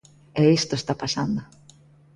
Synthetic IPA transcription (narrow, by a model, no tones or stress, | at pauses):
ɛist̪oest̪apasand̪o